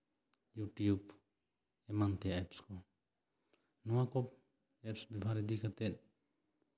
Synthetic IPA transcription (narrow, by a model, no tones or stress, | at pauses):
juʈijub | ɛmant̪ɛɛpskɔ | nɔwakɔp̚ | ɛpsbibʱaɾid̪ikat̪ɛt̪̚